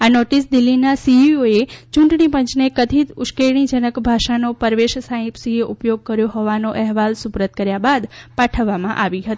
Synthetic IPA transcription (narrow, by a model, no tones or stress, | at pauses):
anoʈis̬d̪ɪlːinasiioet͡ʃʊ̃ɳʈɳipə̃ɲt͡ʃnekəd̪ʱit̪ʊʃkeɽ̃id͡ʒənəkbʱaʃanopəɾʋeʃsaɦĩpsieʔupjoɡ̚kəɾjoɦɔʋanoʔɛɦʋalsupɾət̪̚kəɾjabad̪paʈʰəʋːamã̰ʔaʋiɦət̪ii